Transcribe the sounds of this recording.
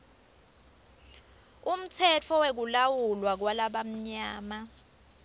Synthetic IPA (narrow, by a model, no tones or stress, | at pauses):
um̩t͡sʰɛt͡fʰɔwek̬ulawulwak̬walaɓam̩ɲaːma